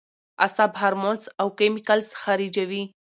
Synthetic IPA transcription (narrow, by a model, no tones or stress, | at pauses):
ɐ̰sãbʱɐɾmõnsɐwkemikɐlsxɐɾiːd͡ʑɐʋi